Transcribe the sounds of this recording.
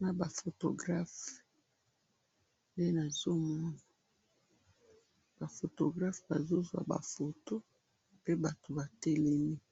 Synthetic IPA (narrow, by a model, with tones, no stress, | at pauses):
na˨ba˨fo˨to̰˨ɡʁa˦f | nde˦na˨zo˦mɔ˦na˨ | b̥a˨fo˨to˨ɡʁa˦fba˨zo˦zwa̰˨ba̰˨fo˨to˦ | pe˦ba˨to˨ba˨tɛ˦le˦mi˦